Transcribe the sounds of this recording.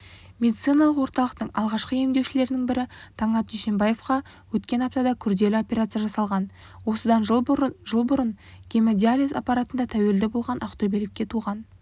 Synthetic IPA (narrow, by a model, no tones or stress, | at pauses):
mʲe̞d̪it̪sɨjnɑlˠəqwo̞ɾt̪ɑlˠəqt̪əɴɑ̰lˠʁɑʃqəje̞md̪e̞wʃɪle̞ɾɪnɪŋbɪɾɪt̪ʰɑɴɑt̪ʒijʃe̞mbaje̞fqɑ | wɵt̪kʲe̞nɑp̚t̪ɑd̪ɑkʲʰʏɾd̪e̞lɪo̞pʲe̞ɾat̪sɨjaʒɑsɑlˠʁɑn | wo̞səd̪ɑnʒəlˠbʊɾənɡʲemed̪ʲialʲiza̰pɑɾat̪ənd̪ɑt̪ʰæwe̞ld̪ɪbo̞lˠʁɑnʔɑqt̪obelɪkʲːe̞t̪ʰuʁɑn